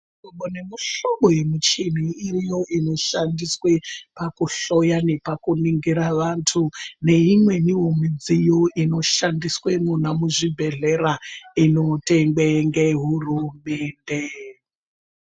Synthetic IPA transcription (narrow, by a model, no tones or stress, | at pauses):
ikoɓone̞muɬoɓoje̞mut͡ʃiniirijo̞ʔino̞ʃandiswe̞pakuɬo̞jane̞pakuniŋɡiɾaʋantʰune̞imwe̞niwomid͡zijoʔino̞ʃandiswemunamuʐibʱe̞ɮe̞raino̞te̞ŋɡweŋɡeɦurume̞ːnde